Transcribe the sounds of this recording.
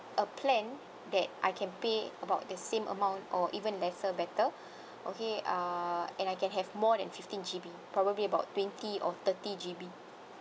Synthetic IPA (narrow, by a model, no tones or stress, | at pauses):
ʔəpʰlɛ̃n | dɛt̚ʔa̰jkʰɛ̃npeəbaʊt̚dəsẽmʔə̰mãw̃ntɔʔivə̃nlɛsəbɛtə | ʔokeaɛ̃najkɛ̃nɦɛvmɔdɛ̃nfiftĩnd͡ʒibipɹɔbəbliəbaʊttːwɛ̃ntiʔɔt̪ətid͡ʒibi